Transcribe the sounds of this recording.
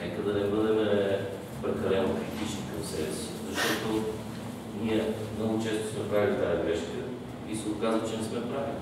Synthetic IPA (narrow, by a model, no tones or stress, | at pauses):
nɛkəd̪ɐnɛbɤd̪ɛmɛ | pɾɛkɐlɛnokɾit̪it͡ʃnikɐmsɛvɛ̰si̥zɐʃt̪ɔt̪o | niɛmnɔɡʊt͡ʃɛst̪ʊ̥smɛpɾavilʲit̪aɛɡɾɛʃkə | isɛokazvət͡ʃɛnɛsmɛpɾavili